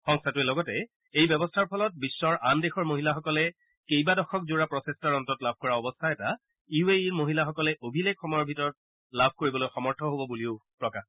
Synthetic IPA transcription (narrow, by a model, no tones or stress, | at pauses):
xɔŋstʰatuɛlɔɡɔtɛ | ejbɛbɔstʰaɹpʰɔlɔt̚bisːɔɹʔandexɔɹmoɦilaxɔkɔlɛ | kejbadɔxʰɔkzuɹapɹɔsestaɹɔntɔɔtlab̚ʱkɔɹaɔbɔstʰaɛta | iueiɹmoɦilaxɔkɔlɛʔobʱileɡxɔmɔjɔɹbʱitɔɹɔt̚ | labʱkoɹibɔlojxɔmɔɹtʰɔɦobɔbuliʊpɹɔka